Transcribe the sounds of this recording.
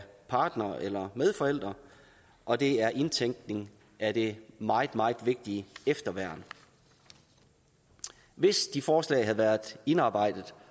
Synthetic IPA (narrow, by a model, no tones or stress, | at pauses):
pʰɑ̈ːd̥nɐʔelɐmeð̞ˠfɒ̽el̰d̥ʁɐ | ʔɒ̽d̥e̝æɐʔe̝nt͡sʰeŋ̰ɡ̥ne̝ŋ | æd̥e̝mɑ̈ːð̩ˠmɑ̈ːð̩ˠʋe̝ɡ̥̚d̥iefd̥ɐʋæɐ̰n | ʋe̝sd̥ifɒːslɛ̰ɪɦæð̩ˠʋæːɐðˠe̝nɑ̈ːb̥ɑ̈ɪ̰d̥əð̩ˠ